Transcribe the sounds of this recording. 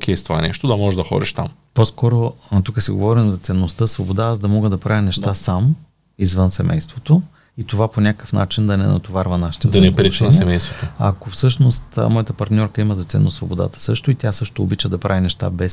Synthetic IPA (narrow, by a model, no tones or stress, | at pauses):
okʲɛst̪ova̰nɛʃt̪od̪ɐmɔʒɛʒd̪ɐxɔ̰d̪iʃt̪a̰m | pɔskɔɾot̪ukəsiɡo̰vɔɾimzɐt̪sɛnːost̪əsvobod̪aazd̪ɐmɔɡəd̪ɐpɾavənɛʃt̪asam | izvɤnsɛmʔɛ̰jst̪vot̪o | it̪ovaponʲakəkə̥fna̰t͡ʃind̪ɐnɛ̰nɐ̰t̪ovaɾvɐnaʃi̥t̪ɛd̪ɐnɛpɾit͡ʃʃnɛisɛmɛjst̪vot̪oa̰kofsɤʃnost̪mɔjət̪əpɐɾt̪nʲɔɾkəiməzɐt̪sɛ̰nːosvobod̪a̰t̪ə̥sɤʃt̪oit̪ʲjasɤʃt̪o̰ːbit͡ʃəd̪ɐpɾavinɛʃt̪a̰bɛs